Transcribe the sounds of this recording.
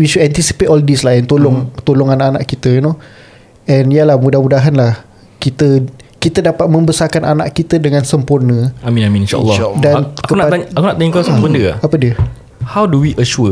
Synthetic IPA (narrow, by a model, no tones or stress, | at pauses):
wiʃudɛnt̪isi̥pet̪ɔldislaɛnt̪olɔŋt̪olɔŋanaʔana̰ʔkit̪əino | ɛ̃nialahmudahmudaɦanlah | kit̪əkit̪ədapat̪̚mə̃mbəsarkanana̰ʔkit̪ədəŋãnsəmpurnə̃amĩnamĩĩnʃa̰lːɔdanakəunaaaakunaʔt̪aɲkasabəndəa̰apədiə | hawduwiʔəʃuə